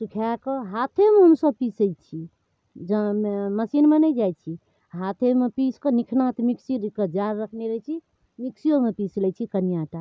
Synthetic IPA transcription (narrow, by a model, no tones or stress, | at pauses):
sukʰakəɦat̪ʰemeɦəmsəb̚pisəjt͡ʃʰi | d͡ʒəməsinmenɛd͡ʒajt͡ʃʰi | ɦat̪ʰemepiskənikʰnat̪miksiɾkəd͡ʒaɾːəkʰneɾət͡ʃʰi | miksijomepislɛt͡ʃʰikənijaʈa